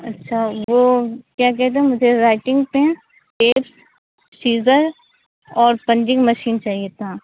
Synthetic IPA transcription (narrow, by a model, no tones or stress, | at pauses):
ɐtːʃʰaʋoːkjaːk̬ɛɦt̪̬ẽɦɛ̃mʊd͡ʒʱeɾaːɪʈɪ̃ŋɡpɛɦɛ̃ | ʈeːps | siːzəɾ | ɔːɾpɐ̃ɲd͡ʒɪ̃ŋɡmɐʃiːnt͡ʃaːɦiet̪ʰaː